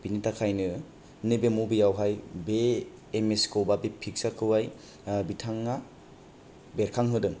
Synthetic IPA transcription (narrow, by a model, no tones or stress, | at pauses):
b̥initakʰajnɯ | nɯbemubijawɦajbeː | meskowbabepʰik̚sakʰɯwaj | bitʰaŋːa | beɾkʰaŋɦɯdɯŋ